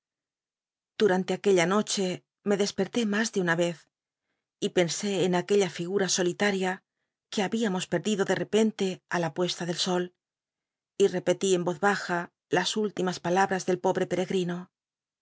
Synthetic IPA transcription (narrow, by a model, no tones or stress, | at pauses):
d̪̥uɾant̪e̞ake̞ʎano̞t͡ʃe̞ | me̞ðe̞spe̞ɾt̪e̞mazðeunaβe̞θ | ipe̞nse̞ːnake̞ʎafiɣuɾaso̞lit̪aɾja | ke̞aβiamo̞spe̞ɾðiðo̞ðe̞re̞pe̞nt̪e̞alapwe̞st̪aðe̞lso̞l | ire̞pe̞t̪ie̞mbo̞ðβaxa | lasult̪imaspalaβɾazðe̞lpo̞βɾe̞pe̞ɾe̞ɣɾino̞